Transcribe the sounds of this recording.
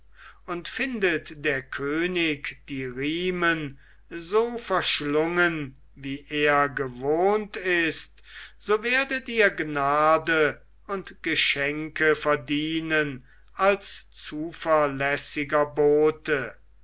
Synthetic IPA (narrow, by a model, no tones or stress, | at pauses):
ʊntfɪndətd̥eːɐkʰøːnɪkd̥iːʁiːmən | zoːfɛɐʃlʊŋən | viːʔeːɐɡəvoːntɪst | z̥oːveːɐdətiːɐɡnaːdə | ʊntɡ̥əʃɛŋkəfɛɐdiːnən | alst͡suːfɛɐlɛsɪɡɐboːtə